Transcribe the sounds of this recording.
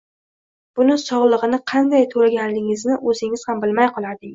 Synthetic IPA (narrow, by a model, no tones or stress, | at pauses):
b̥ʊnɪsɒʁlˠɨʁɨnɪqʰɑnd̪ajt̪ʰolaɡʲanlɪŋɪznɪʔɵzɪŋɪz̥hambɪlmajqʰɒlˠad̪ɪ